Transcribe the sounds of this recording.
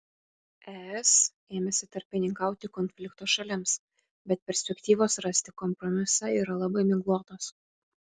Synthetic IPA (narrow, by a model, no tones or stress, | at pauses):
ɛɛs | eːmʲɛsʲɪt̪ɐɾʲpʲɪnʲɪŋkɑˑʊt̪ʲɪkɔnʲfʲlʲɪkt̪oːʃɐlʲɪms | bʲɛt̪̚pʲɛɾʲsʲpʲɛkʲt̪ʲiːʋoːsɾɐsʲt̪ʲɪkɔmpɾɔmʲɪsɑiːɾɐlˠɑbɐɪmʲɪɡlˠuɔt̪oːs